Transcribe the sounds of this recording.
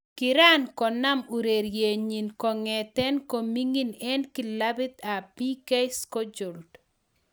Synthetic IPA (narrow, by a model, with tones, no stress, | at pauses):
kɪ˨ɾa˦nkɔ˨na˦mu˨ɾe˨ɾje˨ɲi˨nkɔ˨ŋɛt̪ɛ˦nko˨mi˦ŋi˦nɛ˦nkɪ˨la˦bɪ˦t̪a˨pi˦kɛ˦skɔ˦d͡ʒo˨ld